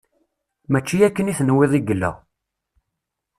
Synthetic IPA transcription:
mæt͡ʃːijækːəniθnweðˤiɡəlːə̰ʁ

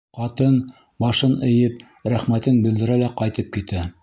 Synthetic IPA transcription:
qɑt̪ɤn | bɑʃɤnɘ̆jɤp̚ | ɾæχmæt̪ɘnbɘ̆ld̪ɘ̆ɾælæqɑjt̪ɤp̚kit̪æ

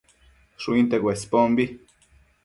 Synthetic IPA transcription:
ʃuint̪eɡwespombi

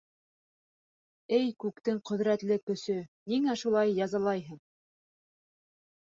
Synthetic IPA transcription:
ɘjkʉkt̪ɘŋqɵ̆ðɾæt̪lɘkːɵ̆sɵniŋæʃulˠɑjːɑzɑlˠɑjɦɤɴ

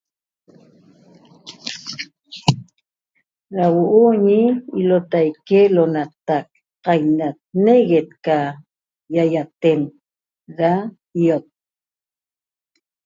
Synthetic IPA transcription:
ɾawoʔuɲiilot̪ajkelonat̪ak̚ | qɑjnat̪̚neɣet̪̚ka | jajat̪en | ɾa | ijot̪̚

